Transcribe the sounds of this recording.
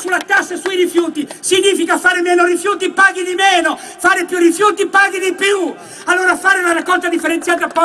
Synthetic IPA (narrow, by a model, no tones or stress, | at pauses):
sulːat̪asːasuiɾifjuːt̪isiɲiːfikafaːɾɪmɛːnoɾifjuːt̪ipaːɡid̪imɛːno | faːɾɪpjurːifjuːt̪ipaɡid̪ipju | alːoːɾafaːɾɪunaɾakːɔlt̪ad̪ifːeɾent̪jaːt̪apːɔ